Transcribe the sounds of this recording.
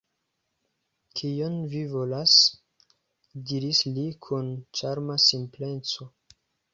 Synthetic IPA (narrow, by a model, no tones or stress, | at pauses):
kʰijonvivo̞las | diɾislikʰunt͡ʃaɾmasimple̞nt͡so̞